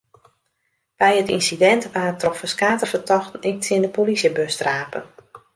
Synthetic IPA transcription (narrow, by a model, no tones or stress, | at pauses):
b̥ɛjətḭnsidɛntʋaːətrɔfəskaːtəfətʰɔxtən̩ɪk̚tɪəndəpolisjəbøstraːpə̰n